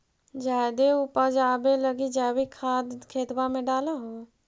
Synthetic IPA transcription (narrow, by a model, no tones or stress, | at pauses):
d͡ʒaːjd̪eupəd͡ʒaːbeləɡid͡ʒaːbikʰaːd̪kʰeːt̪bamẽɖaːlaɦoː